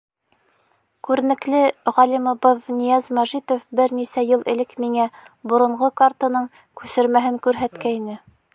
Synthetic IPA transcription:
kʉɾɘ̆nɘ̆klɘʁɑlimŏβɤðnijæzmæʒit̪ofbɘɾnisæjɤlˠʔɘ̰̆lɘkmiŋæ | bŏɾŏɴʁokart̪ɤnɤɴ | kʉsɘ̆ɾmæɦɘŋkʉɾɦæt̪kæinɘ

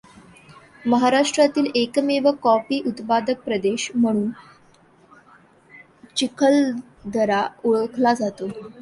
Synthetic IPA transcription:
məɦaɾaʂʈɾat̪iːlekmeʋəkɔfiːʔut̪pad̪ək̚pɾəd̪eɕm̤əɽ̃uːn | t͡ɕikʰəl | d̪ʱəɾauɭəkʰlad͡zat̪o

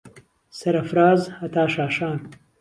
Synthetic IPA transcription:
sɐɾɐfɾaːzhɐt̪aːʃaːʃaːn

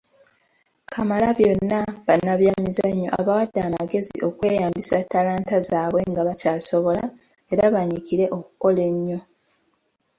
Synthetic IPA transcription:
kʰamalaβjo̞nːaβanːaβjamizaɲːo̞̰ʔa̰βawadːamaɡe̞zḭʔo̞kwe̞ːjaːmbisatːalaːntazaːβwe̞ŋɡaβacaːso̞βo̞la | e̞ɾaβaɲikiɾe̞ʔo̞kuko̞le̞ɲːo̞

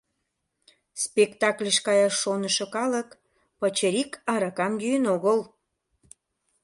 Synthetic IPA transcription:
spekt̪ɑklʲeʃkɑjɑʃːonəʃokɑlək | pət͡ɕəɾikʰɑɾɑkɑmɡyjənoɣəl

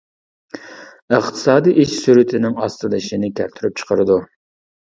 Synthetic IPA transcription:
əχt̪ʰɨ̥sɑːd̪iʔiʃsyɾɪt̪ʰɪnɪŋɑst̪ɨlɨʃinɪkʲʰæɾt̪ʰyɾyp̚t͡ʃʰə̥qʰəɾɨd̪u

